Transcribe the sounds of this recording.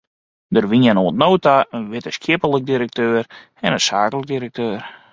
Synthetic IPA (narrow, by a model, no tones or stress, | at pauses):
dərʋinənoətnowtaənʋɪtəskʰjɪpəlˠək̚diɾək̚tøːr | ɛnəsaːkələk̚diɾək̚tøːr